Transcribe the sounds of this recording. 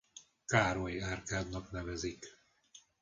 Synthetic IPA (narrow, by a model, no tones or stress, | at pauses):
kaːɾojaːrkaːd̪nɒknɛvɛzik